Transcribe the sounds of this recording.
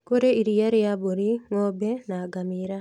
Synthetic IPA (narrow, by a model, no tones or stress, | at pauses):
koɾeiɾijaɾeaboɾimobɛnaɡamiɾa